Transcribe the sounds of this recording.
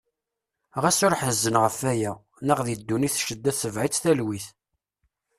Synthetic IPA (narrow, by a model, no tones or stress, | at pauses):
ʁæsʊɾħəzːənʁəfæjæ | nəʁðid̪ːuniθʃəd̪ːæθsəvʕit͡sːθælwiθ